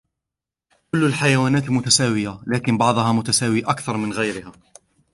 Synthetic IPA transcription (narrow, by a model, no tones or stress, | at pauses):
kʊlːalħajawaːnaːt̪mʊt̪asaːwɪjalaːkɪnbɑʕd̪ˤɑhɑmʊt̪asaːwiʔakθɑɾˤmɪnɣajɾɪhaː